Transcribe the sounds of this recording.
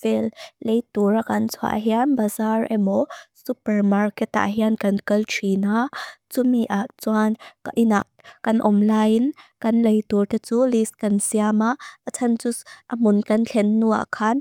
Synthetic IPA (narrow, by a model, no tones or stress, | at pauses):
vɛllejt̪urakɐnt͡sʰa̰ʔɦianbazarɛmɔsupɛrmarkɛt̪ːa̰ʔɦiankɐnkəltʰinat͡sumiʔaʔt͡swankaʔinaʔkɐnʔɔmlajnkɐnlejt̪urt̪et͡suliskɐnsiamaʔat͡sʰɐnt͡sʊsʔɐmʊnkɐnt͡ɬʰɛnːua̰ʔkʰan